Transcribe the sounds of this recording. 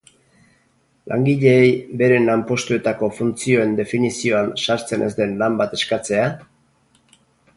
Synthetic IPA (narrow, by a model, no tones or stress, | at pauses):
lʔa̰ŋɡiʎe̞ːjbe̞ɾe̞nampo̞st̪ue̞t̪ako̞funt͡sio̞e̞nd̪e̞finisio̞ansaɾt͡se̞nʔe̞zd̪e̞nlambat̪e̞skat͡se̞a